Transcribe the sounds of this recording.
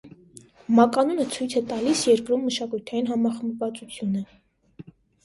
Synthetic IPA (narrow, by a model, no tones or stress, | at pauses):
mɑkɑnunət͡sʰujt͡sʰɛt̪ɑlisjɛɾkɾumːəʃɑkujt̪ʰɑjinɦɑmɑχəmvɑt͡sut͡sʰjunə